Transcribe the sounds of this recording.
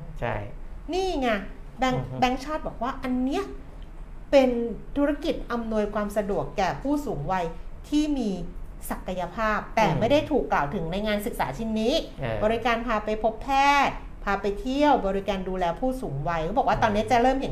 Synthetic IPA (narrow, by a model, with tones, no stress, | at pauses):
t͡ɕʰniː˥˩ŋa˧ | bɛ˦˥ŋbɛ˦˥ŋt͡ɕʰɔː˥˩t̪̚bɔː˨˩k̚waː˥˩ʔa˧nːi˦˥ɐʔ | pe˧nt̪ʰu˦˥ɾa˧ki˨˩t̪̚ʔa˧mnu˧əjkʰwaː˧msa˧du˨˩əkːɛː˨˩pʰuː˥˩suː˩˦ŋwa˧jt̪ʰiː˥˩miː˧sa˨˩ka˧ja˧pʰaː˥˩p̚t̪ɛː˨˩ma˥˩jda˥˩jt̪ʰuː˨˩kːlaː˨˩wt̪ʰɯ˩˦ŋna˧jŋaː˧nsɯ˨˩k̚saː˩˦t͡ɕʰi˧nːiː˦˥bɔː˧ɾi˧˥kaː˧npʰaː˧pa˧jpʰo˦˥pʰːɛː˥˩t̪̚ | pʰaː˧pa˧jt̪ʰi˥˩əwbɔː˧ɾi˧kaː˧nduː˧lɛː˧pʰuː˥˩suː˩˦ŋwa˧jkʰbɔ˨˩k̚waː˥˩t̪ɔː˧nːi˦˥ɐt͡ɕa˨˩ɾɤː˥˩mhi˨˩˦